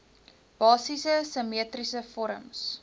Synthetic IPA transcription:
b̥ɑːsisəsəmiətrisəfɔɾə̰ms

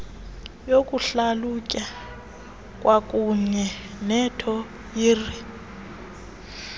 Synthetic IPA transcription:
jokʼuɬalukʼa | kʼwakʼuɲɛ | nɛtʰɔ | jiːri

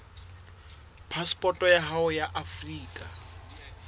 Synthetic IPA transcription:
pʰaspʼɔtʼɔjaɦaʊjaʔafriːkʼa

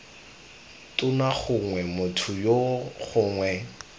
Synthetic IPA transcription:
tʼʊnaχʊŋwɛmʊtʰʊjoχʊːŋwɛ

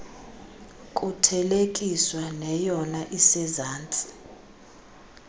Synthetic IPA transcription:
kʼutʰɛlekʼiswanɛjɔnaʔisɛzaːnt͡sʼi̥

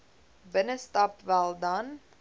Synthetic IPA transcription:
bənəstɐpvælˠdɐn

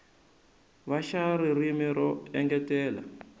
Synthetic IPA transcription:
βaʃaɾirimiɾɔɛŋɡɛtɛːla̰

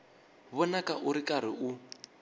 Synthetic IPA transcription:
βɔnakaʔuɾikaɾ̤iʔu

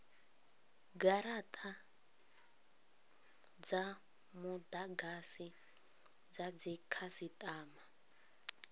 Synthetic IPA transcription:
ɡaɾatʼa | d͡za | mud̪aɡasi | d͡zad͡zikʰasitʼaːma

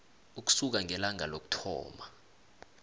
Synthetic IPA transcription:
uk̬u̥suk̬aŋɛlaŋʱalok̬u̥tʰɔ̰ːma

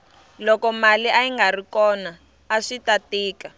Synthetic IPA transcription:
lɔkɔmaliʔaiŋɡarikɔnaː | ʂitatiːka

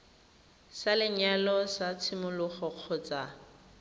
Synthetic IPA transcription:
salɪɲalɔsat͡sʰimʊlʊχɔq͡χʰɔt͡sʼa

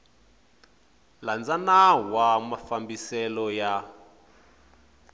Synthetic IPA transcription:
land͡zanawamafambisɛlɔja

